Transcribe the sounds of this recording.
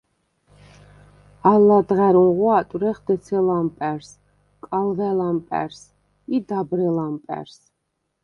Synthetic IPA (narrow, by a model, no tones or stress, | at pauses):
alːad̪ʁaɾuŋʁwat̪ʼwɾɛχd̪ɛsʰɛlampʼɛɾs | kʼalvɛlampʼɛ̰ɾs | id̪abɾɛlampʼɛ̰ɾs